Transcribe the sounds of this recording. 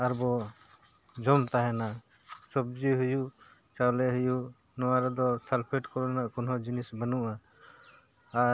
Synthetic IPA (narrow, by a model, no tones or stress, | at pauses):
aɾbɔ | d͡ʒɔmt̪aɦɛna | sɔb̚d͡ʒiɦuju | t͡ʃawlɛɦuju | nɔwaɾɛd̪ɔsalpʰiʈkɔɾɔnaʔkɔnɦɔd͡ʒinisbənuʔa